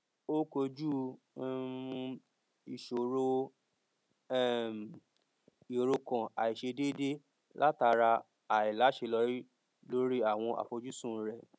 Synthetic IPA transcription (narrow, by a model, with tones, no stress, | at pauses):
o˦ko˧d͡ʒu˦˧ | i˨ʃo˨ɾo˦˨ | m˨ | i˨ɾo˧kɔ̃˨a˨i˨ʃe˧de˦de˦ | lʔa˦ta˧ɾa˧ | a˨i˨la˨˦ʃe˧lɔ˧˦ɾi˦ | lo˦ɾi˦a˦˨w̃ɔ̃˧ʔa̰˨fo˧d͡ʒu˦sũ˦˨˦ɾɛ˨